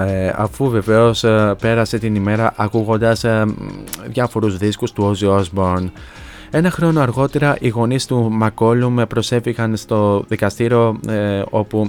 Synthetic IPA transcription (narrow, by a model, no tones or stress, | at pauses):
eɐ̰fuve̞ve̞o̞spe̞ɾɐse̞t̪inime̞ɾɐʔɐkuɣo̞nd̪ɐs | ðʝɐfo̞ɾuzðiskust̪uoziozbo̞ɾn | e̞nɐxɾo̞noɐɾɣo̞t̪e̞ɾɐʔiɣo̞nist̪umɐko̞lumpɾo̞se̞fiɣɐnst̪o̞ðikɐst̪iɾio̞o̞pu